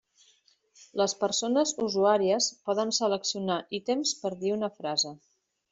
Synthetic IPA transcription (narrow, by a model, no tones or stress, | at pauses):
ləspəɾsonəzuzuaɾiəspɔðənsələksiunaʔit̪emspəɾðiunəfɾazə